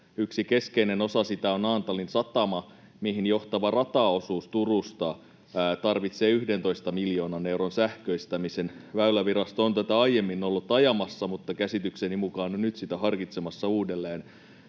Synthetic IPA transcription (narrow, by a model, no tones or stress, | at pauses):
yksike̞skeineno̞sɑsit̪æonɑːnt̪ɑlinsɑt̪ɑmɑ | mihinjo̞ht̪ɑʋɑrɑt̪ɑːosuːst̪urust̪ɑ | t̪ɑrʋit̪seːyhdent̪o̞ist̪ɑmiljo̞ːnɑne̞wronsæhkøist̪æmisenʋæylæʋiɾɑst̪oont̪æt̪æɑije̞mːinːolːut̪ːɑjɑmɑsːɑmut̪ːɑkæsit̪yksenimukɑːnonnyt̪sit̪æɦɑrkit̪semɑsːɑuːdelːeːn